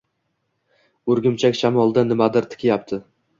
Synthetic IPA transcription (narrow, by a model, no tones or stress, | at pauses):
ɵɾɡʲɪmt͡ʃʰakʲʃamɒlˠd̪anɪmad̪ɪɾt̪ʰɪ̥kʲɪjapt̪ʰɪ